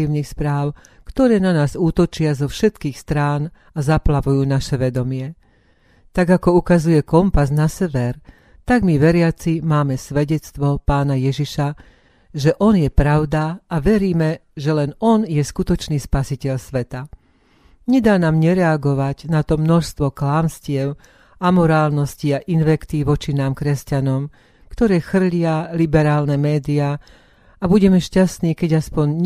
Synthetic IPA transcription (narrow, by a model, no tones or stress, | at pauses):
iːʊnixspɾaːʊ | kt̪ɔɾɛːnanaːzuːt̪ɔt͡ʃɪazɔfʃɛt̪kiːxst̪ɾaːn | azaplaʋujuːnaʃɛʋɛd̪ɔmɪɛ | t̪aɡakɔukazujɛkɔmpaznasɛʋɛɾ | t̪aɡmiʋɛɾɪat͡simaːmɛsʋɛɟɛt͡st̪ʋɔpaːnajɛʒiʃa | ʒɛʔɔnjɛpɾaʊd̪aːʋɛɾiːmɛʒɛlɛnɔnjɛskut̪ɔt͡ʃniːspasicɛʎsʋɛt̪a | ɲɛd̪aːnaːmɲɛɾɛaɡɔʋaɟnat̪ɔmnɔʃst̪ʋɔklaːmscɪɛʊ | amɔɾaːlnɔsciaʔinʋɛkt̪iʋɔt͡ʃinaːmkɾɛscanɔm | kt̪ɔɾɛːxr̩ʎɪalibɛɾaːlnɛmɛːd̪iaː | abuɟɛmɛʃcast̪niːkɛɟaspɔɲ